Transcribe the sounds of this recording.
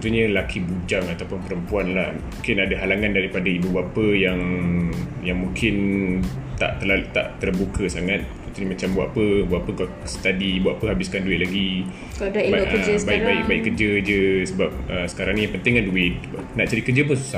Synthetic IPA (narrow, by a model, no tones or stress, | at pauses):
ut̪uɲəlakʰibud͡ʒaŋat̪awpʊnpəɾəmpuanlahmũŋkɪnadaɦalaŋandaɾipadaibubapəjaŋ | jaŋmuŋkʰɪn | t̪a̰ʔt̪əlaa̰ʔt̪ərbukʰəsaŋat̪̚t̪unt̪uɲəmat͡ʃambua̰ʔapəbuaʔapəkal | sə̥t̪adibuaʔapəɦabɪskanduɪt̪̚laɡi | baikbaɪk̚baɪʔkːərd͡ʒəd͡ʒəsəbap̚əsə̥kaɾaŋnĩjaŋpənt̪ɪŋkanduɪt̪̚naʔt͡ʃadikərd͡ʒəp̬ənsu̥sahh